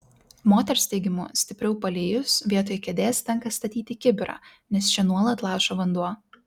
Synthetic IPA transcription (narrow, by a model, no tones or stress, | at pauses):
moːt̪ʲɛɾsʲt̪ʲɛɪɡʲɪmṵːsʲt̪ʲɪpʲɾʲɛʊpɐlʲeːjʊsʋʲiɛt̪oːjkʲɛd̪ʲeːst̪ʲɛŋkɐst̪ɐt̪ʲiːt̪ʲɪkʲɪbʲɪɾɑ̰ːnʲɛst͡ʃʲɛnuɔlˠɐt̪lˠɑˑːʃoʋɐnd̪uɔ